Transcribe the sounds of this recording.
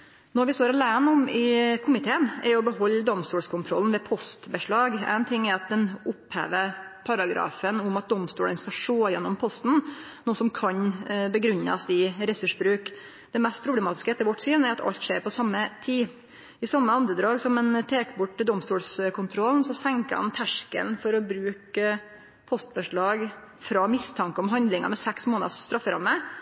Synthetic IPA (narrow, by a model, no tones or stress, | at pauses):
nɔɾʋɪst̪oːɾɑlæːənʊmɪkʰʊmɪt̪ʰeːənɛɾɔbəɦɔlːd̪ɔmst̪uːlskʰʊnt̪ʰɾɔln̩ʋɛpʰɔst̪bəʂɭɑːɡæ̰ɪnt̪ʰɪŋːɛɾɑt̪̚d̪ɛnʊphḛːʋə | pʰɑɾɑɡɾɑ̰ːfənʊmɑt̪̚d̪ɔmst̪uːlənskɑʂoːjɛnːɔmpʰɔst̪n̩nuːəsɔmkʰɑɲbəɡɾʉnːɑ̰sɪɾɛsʉʂbɾʉːk | d̪ɛmɛst̪̚pʰɾʊblɛmɑːt̪ɪskəɛt̪ʰəɾʋɔʈːsyːnæɾɑt̪ʰɑ̰ʎt̪ʂeːɾpɔsɑmːət̪ʰiː | ɪsɑmːəɑnd̪ɾəd̪ɾɑːɡsɔmɛnt̪ʰeːkəbʊʈːəd̪ɔmst̪uːlskʰʊnt̪ʰɾɔlnsɔsɛŋkəhɑ̰nt̪ʰæʂkə̰lnfɔɾɔbɾʉːkə | pʰɔst̪bəʂɭɑːɡ | fɾɑmɪst̪ʰɑŋkəɔmɦɑnd̪lɪŋɑ̰mɛsɛksmoːnɑ̰sːt̪ɾɑfːəɾɑmːə